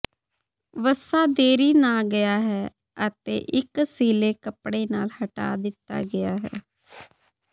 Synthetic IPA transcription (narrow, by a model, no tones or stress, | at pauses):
ʋəsaːd̪eːɾiːnaːɡəjaːɦɛː | ət̪ḛːʔɪksiːleːkəpɽeːnaːlhəʈa̰ːd̪ɪt̪ːa̰ːɡɪjaːɦɛ̰ː